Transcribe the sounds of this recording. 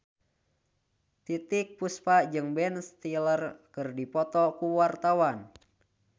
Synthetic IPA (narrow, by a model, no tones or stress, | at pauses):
t̪it̪ik̚puspad͡ʒɨŋbɛnst̪ilərkɨrdipɔt̪ɔkuwart̪awan